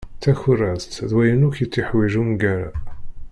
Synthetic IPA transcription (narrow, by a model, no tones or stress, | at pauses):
θæçʊɾæst̪ðwæjənuçjət͡sːɪħwiʒumɡæɾa